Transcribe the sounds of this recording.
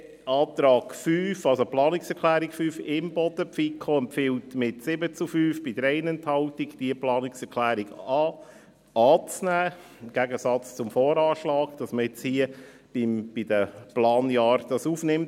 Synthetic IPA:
ʔɑːt̪ɾɑːɡfyːfɑlsoplɑːnɪksɛɾkʰlæːɾikfyːfɪmbɔd̥̪əpfikʰoɛmpfɪltmɪtsɪbət͡sufyːfb̥id̥əɾɛɪnɛnthɑltiɡd̥iəplɑːnɪksɛɾkʰlæːɾiɡɑː | ɑːt͡snæː | mɡ̥æɡəsɑt͡st͡sʊmfoːɾɑːʃlɑːɡd̥ɑsməɪt͡shiə | b̥ɪmb̥ɪd̥əplɑːnjɑːɾd̥ɑsuːfnɪmt

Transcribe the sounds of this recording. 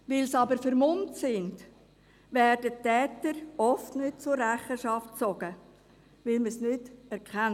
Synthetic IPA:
ʋɪlsɑbəɾfəɾmʊntsɪnd | ʋɛːɾdətːɛːtəɾɔftnʏt̚t͡sʊrːæχəʃɑft̚t͡sɔɡ̥ə | ʋɪlməsnʏtɛɾkχɛn

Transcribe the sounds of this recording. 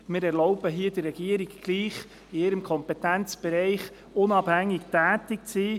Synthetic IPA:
mɪːɾɛɾlɔʊb̥əɦiəd̥ərːɛɡ̥iəɾiɡːliːχ | ɪɪɾəmkʰɔmpɛt̪ɛnt͡sb̥ɛɾɛɪχ | ʊnɑphæŋːɪktæːtɪkt͡siː

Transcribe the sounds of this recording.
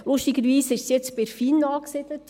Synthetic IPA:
lʊʃtiɡəɾʋiːsɪʃsjɛt͡spɛɾfiːnɑːksɪd̪ət

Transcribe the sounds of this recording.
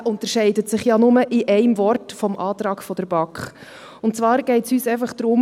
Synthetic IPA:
ʔʊntəɾʃɛɪdətsɪχjɑnʊməʔiʔɛɪmvɔrtfɔmʔɑːt̪ɾɑːɡ̥fɔd̥əɾb̥ɑkχ | ʊntt͡sʋɑːɾɡ̥ɛɪtsyːsɛɪfɑχd̪̥ɾʊm

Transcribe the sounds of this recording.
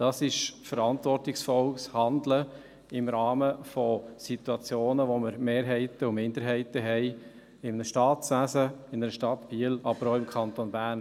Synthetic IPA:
d̥ɑːsɪʃfəɾɑntʋɔrtɪksfɔlshɑnd̪lə | ɪmɾɑːməfɔsit̪uɑt͡sjoːnəʋoməɾmeːɾɦɛɪt̪əʊmɪnd̪əɾɦɛɪtəɦɛɪ | ɪmnəʃtɑːtsʋæsəɪnəɾəʃtɑtb̥iːəlɑbəɾoʊɪmkʰɑnt̪onbæɾn

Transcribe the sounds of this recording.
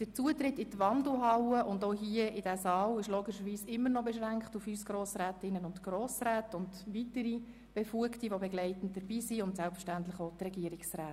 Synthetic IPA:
d̥ət͡suətrɪtɪtʋɑndl̩ɦɑwəʔʊndoɦiəɪdæsɑːlɪʃloːɡɪʃəʋiːsɪmːənɔbɛʃɾæŋkχtufyːsɡ̥ɾoːsræːtɪnːənʊntɡ̥roːsræːtʊndʋitəɾi | b̥ɛfuəktiʋobɛɡlɛɪtən̩t̚d̥əɾbiːsiʊntsɛlpfə̥ʃtæntləχot̪rɛɡiəɾɪksræːt

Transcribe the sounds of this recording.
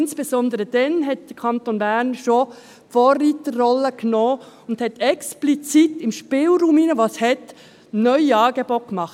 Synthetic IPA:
nsb̥esɔnd̪əɾəd̥ɛnɦɛt̚d̥əkʰɑnt̪onbæːɾnʃo | fɔːritərɔləknɔː | ʊnd̪hɛtʰɛksplit͡sitɪmʃpɪːlɾuːmiːnəʋoshɛt | nœʏɑːɡ̥ebokmɑχt

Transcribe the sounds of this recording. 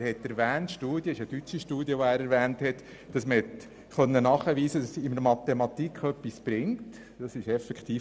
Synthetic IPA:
ɾhɛt̪ɛɾvæːntʃtuːd̥jəɪʃədyt͡ʃːiʃtuːdjəʋoæːɾɛɾvæːnthɛt | d̥ɑsməhɛt | χœnːənɑːχəʋiːsədɑsɪnəɾmɑt̪emɑtikʰœpːisb̥ɾɪŋt | d̥ɑsɪʃɛfɛkχt̪iː

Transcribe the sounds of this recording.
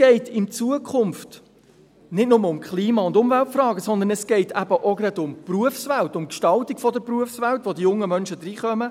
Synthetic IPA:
sɡ̥ɛɪtʰɪnt͡suəkʰχʊmft | nɪtnʊməʊmkχliːmɑʊnd̪ʊmvæltfrɑːɡəsɔnd̪ənɛsɡ̥ɛɪtʰæb̥əʔɔɡɾɑd̪ʊmpruəfsʋæltʊmkʃtɑltiɡfɔd̪əɾpɾuəfsʋæltvod̪ijʊŋːəmœnʃəd̪ɾiːχœmə

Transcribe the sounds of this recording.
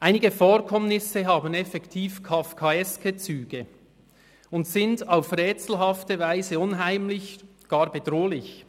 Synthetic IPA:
ʔaɪnɪɡəfoːɾkʰɔmnɪsəɦaːbənɛfɛktʰiːfkʰafkʰaɛskʰət͡syːɡ̥ə | ʊntsɪndaʊfrɛːt͡sl̩ɦɑftəvaɪzəʊnɦaɪmlɪç | ɡ̥ɑːɾbedʁoːlɪç

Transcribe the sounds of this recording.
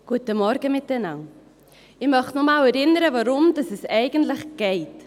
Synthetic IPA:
ɡ̥uətəmɔɾɡəmɪtənaw | ɪmœχtnɔmawɛɾɪnəɾəvaɾʊmdɑsɛsɛɪɡəntləχɡ̥ɛɪt

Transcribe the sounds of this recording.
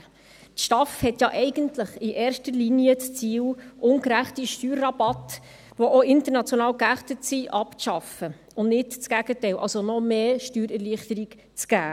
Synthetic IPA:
tʃtɑfhɛtjɑːʔɛɪɡ̥əntləχiʔeːɾʃtəɾliniət͡st͡siːwʔʊnkɾæχtiʃtyːɾːɑbɑt | ʋoʔoɪntəɾnɑt͡sjɔnɑːwkæχtətsiʔɑpt͡sʃɑfə | ʊnnɪtt͡sɡ̥æɡ̥ətɛɪlʔɑ̰lsonɔmeːʃtyːɾɛɾliːəχtəɾiɡ | t͡sɡ̥æː

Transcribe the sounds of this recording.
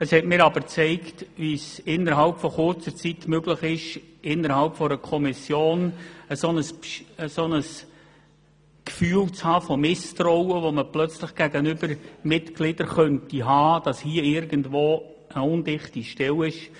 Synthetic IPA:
əshɛtmɪːɾɑb̥əɾt͡sɛɪktʋisɪnːəɾɦɑlpfɔχʊrt͡səɾt͡sitmøɡləχɪʃʔɪnːəɾhɑlpfɔɾəkʰɔmɪsjoːnəsonəspəsonəs | kfyːlt͡shɑːfɔmɪstɾɔwəʋoməplœt͡sləχɡ̥æɡənʏb̥əɾmɪtɡlɪd̥əɾχœntiɦɑːd̥ɑshiəɪɾɡəndʋoː | ʔəʊndɪχtiʃtɛlɪʃ

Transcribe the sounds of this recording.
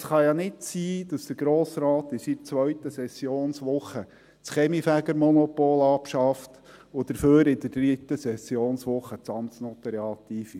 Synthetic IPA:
sχɑjɑnɪtsiːd̥ɑsd̪̥əɾɡ̥ɾoːsɾɑːt̪ɪsit͡sʋœɥtəsɛsjoːnsʋʊχːə | t͡sχɛmifæɡəɾmɔnɔpoːlɑpʃɑft | ʊd̥̪əɾføːɾɪd̪əɾd̥rit̪əsɛsjoːnsʋʊχːət͡sɑmt͡snot̪ːəɾeɑt̪iːfi

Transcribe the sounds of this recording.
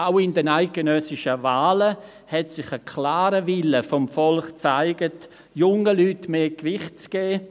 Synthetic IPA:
aʊɪndənaɪk̚ɡ̥enœsɪʃəvaːlə | hɛtsɪχəkʰlaːɾəʋɪləfɔmfɔlχt͡saɪɡət | jʊŋəlyːtmeːkʋɪχt̚t͡sɡ̥ɛː

